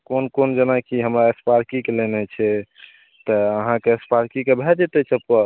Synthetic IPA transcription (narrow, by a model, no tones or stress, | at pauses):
konkond͡ʒənakiɦəmɾaespaɾkikelenɛt͡ʃʰɛ | t̪əəɦãkeespaɾkikebʱɛd͡ʒet̪ɛt͡ʃʰɛpə